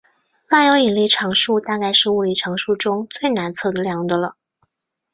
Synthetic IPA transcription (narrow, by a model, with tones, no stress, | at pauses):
la˥˩jo˧˥ʊi˨˩ŋli˥˩ʈ͡ʂʰɑ˧˥ŋʂu˥˧t̪a˥˧ka˥˧ɪʂɻ̩˥˧u˥˩li˥˩ʈ͡ʂʰɑ˧˥ŋʂu˥˩ʈ͡ʂʊ˥ŋt͡swe˥˩ɪna˧˥nt͡sʰɤ˥˩d̪ə˩ljɑ˨˧˥ŋd̪ə˧lə˩